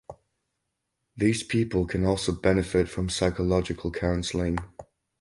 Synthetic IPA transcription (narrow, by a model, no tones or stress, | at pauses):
ðiːz̥pʰiˑpəlˠkʰə̃nɔˑlˠsoʊbɛnɪfɪtfɹə̃msaɪkəlɒd͡ʒɪkʰəlˠkʰãʊ̃nsəlɪ̃ŋ